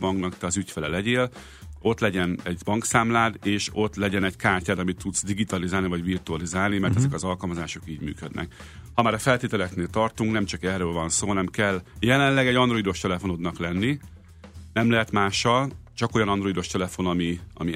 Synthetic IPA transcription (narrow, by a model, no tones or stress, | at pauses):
bɒŋɡnɒkt̪ɛɒzycfɛlɛlɛɟeːl | o̞t̪lɛɟɛnɛɟbɒŋksaːmlaːd̪eːʃo̞t̪lɛɟɛnɛɟkaːrcaːd̪ɒmit̪ʰːud̪zd̪iɡit̪ɒlizaːlivɒɟvirt̪uɒlizaːlnimɛrt̪ɛzɛkɒzɒlkɒlmɒzaːʃo̞kiːɟmy̰ːkød̪nʔɛ̰k | hɒmaːɾɒfɛlt̪eːt̪ɛlɛkneːlt̪ɒrt̪uŋknɛmt͡ʃɒkɛrːøːlvɒnsoːɦɒnɛmkɛlːjɛlɛnlɛɡɛɟɒnd̪ro̞id̪o̞ʃt̪ɛlɛfono̞d̪nɒklɛnːi | nɛmlɛɦɛt̪maːʃːɒlt͡ʃɒko̞jɒnɒnd̪ro̞id̪o̞ʃt̪ɛlɛfo̞nɒmiɒ̰mi